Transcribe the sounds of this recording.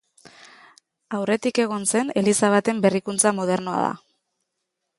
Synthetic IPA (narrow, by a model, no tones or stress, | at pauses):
awre̞t̪ike̞ɣ̞o̞nse̞ne̞lisaβat̪e̞mbe̞rikunt͡samo̞ð̞e̞ɾnoa̰ða̰